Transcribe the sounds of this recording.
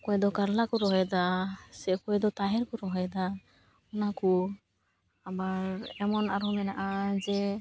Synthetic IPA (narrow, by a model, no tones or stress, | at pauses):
kɔɛd̪ɔkaɾlakɔɾɔɦɔjd̪asɛkɔɛd̪ɔt̪aɦɛɾkuɾɔɦɔjd̪a | ɔnaku | abaɾɛmɔnaɾɔmɛnaʔad͡ʒɛ